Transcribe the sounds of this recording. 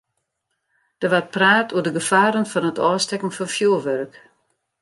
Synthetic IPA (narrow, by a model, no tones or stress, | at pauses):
d̥əʋar̚praːtʰuərdəɡəfaːɾənfɔnətɔːstɛkŋ̩fɔnfjuʋørk